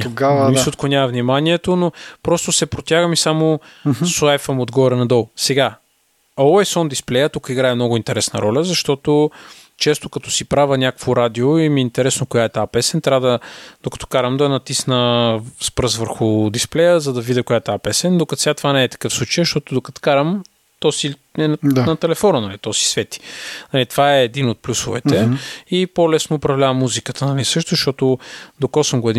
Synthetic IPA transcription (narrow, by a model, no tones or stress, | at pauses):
t̪oɡavmisot̪konʲjavɐvnimaniɛt̪onopɾɔst̪ʊsɛpɾot̪ʲjaɡəmisamosoajfəmod̪ɡɔɾɛnɐd̪ɔlˠsɛɡa | oɛsɔnd̪isplɛjət̪ukəiɡɾaɛmnɔɡʊint̪ɛɾɛsnə̰ɾɔlʲəzɐʃt̪ɔt̪o | t͡ʃɛst̪okɐt̪ɔ̥sipɾavənʲakəkvoɾad̪ioimiint̪ɛɾɛsnokojaɛt̪apɛsɛnt̪ɾʲavəd̪ɐd̪̥okɐ̥t̪ɔ̥kaɾəmd̪ɐnɐt̪isnəspɾəzvəɾxʊd̪isplɛjəzɐd̪ɐvid̪ɛkojaɛt̪apɛsɛnd̪okɐt̪sat̪vanɛːt̪ɐ̥kɤfslˠut͡ʃəjʃt̪ɔt̪ʊd̪okɐt̪kaɾəm | t̪ɔsiɛnanɐt̪ɛlɛfɔnənɐlit̪ɔsi̥svɛt̪i̥nɐlit̪vaɛːd̪inot̪̚plʲusʊvɛ̰t̪ɛipolɛsnoːpɾɐvlʲavɐmːuzikət̪ənɐlisɤʃt̪ʊʃt̪ɔt̪od̪okɔsəmɡoɛd̪i